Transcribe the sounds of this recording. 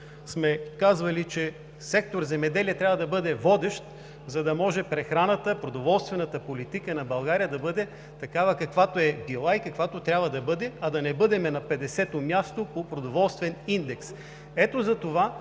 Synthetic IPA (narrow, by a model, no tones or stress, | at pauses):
smɛkazvɐlit͡ʃɛ | sɛk̚t̪oɾzɛmɛd̪ɛliɛt̪ɾʲavɐd̪ɐbɤd̪ɛvɔd̪ɛʃt̪ | zɐd̪ɐmɔʒɛpɾɛxɾanət̪əpɾod̪ovɔlˠst̪vɛnɐt̪əpolit̪ikənɐbɐlˠɡaɾijəd̪ɐbɤd̪ɛ | t̪ɐkavɐkɐkvat̪oɛbilˠaikɐkvat̪ot̪ɾʲabvɐd̪ɐbɤd̪ɛɐd̪ɐnɛbɤd̪ɛmɛnɐpɛd̪ɛsɛt̪omʲjast̪opopɾod̪ovɔlˠst̪vɛnind̪ɛks | ɛt̪ozɐt̪ova